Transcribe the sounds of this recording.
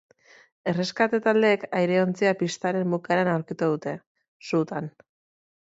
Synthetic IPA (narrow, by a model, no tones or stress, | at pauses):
e̞re̞skat̪et̪ald̪e̞ːkajɾe̞o̞nt͡siapist̪aɾe̞mbukaɾanawɾkit̪uðut̪e̞ | sut̪an